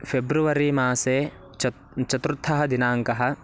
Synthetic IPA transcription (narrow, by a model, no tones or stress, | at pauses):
pʰebɾuʋɐɾimaːseː | t͡ʃɐt̪ɾut̪ʰːɐɦɐd̪inaːŋkɐɦɐ̆